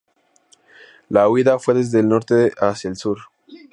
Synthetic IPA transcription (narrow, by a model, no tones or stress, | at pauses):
lawiðafweðe̞zðelno̞ɾt̪eʔasjaelsuɾ